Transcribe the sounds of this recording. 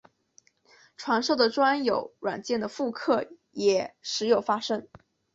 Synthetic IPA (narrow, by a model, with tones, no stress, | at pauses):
ʈ͡ʂʰwa˧˥nʂɤ˥˩ʊd̪ə˩ʈ͡ʂwa˥njo˨˩˦ʊɻwa̰˨˩nt͡ɕjɛ˥˩nd̪ə˩fu˥˧kʰɤ˥˩ | jɛ˨˩˦ʂɻ̩˧˥jo˨˩ʊfa˥ʂɤ˥ŋ